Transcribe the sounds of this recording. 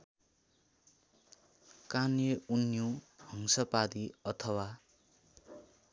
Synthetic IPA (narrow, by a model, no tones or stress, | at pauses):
kanjeunjohʌŋsʌpad̪iʌt̪ʰʌwa